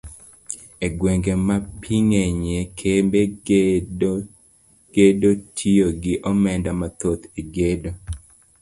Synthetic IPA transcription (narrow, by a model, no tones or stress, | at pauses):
eɡweŋɡemapʰiŋeɲekʰembe | ɡ̥edotʰioɡɪʔɔmɛndamat̪ot̪iɡedo